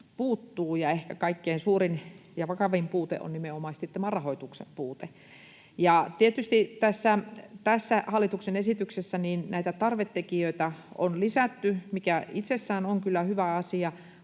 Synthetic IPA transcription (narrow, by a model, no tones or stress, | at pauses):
puːt̪ːuːjɑehkækɑikːeinsuːrinjɑʋɑkɑʋimpuːt̪ḛʔo̰nimeomɑst̪iet̪ːemɑrɑhoit̪uksḛmpuːt̪e | jɑt̪iet̪yst̪it̪æsːæt̪æsːæhɑlːit̪uksenesit̪yksesːæniːnnæit̪æt̪ɑrʋet̪ːekiøit̪æo̰nlisæt̪ːymikæit̪sesːæːnoŋkylːæhyʋæɑsiɑ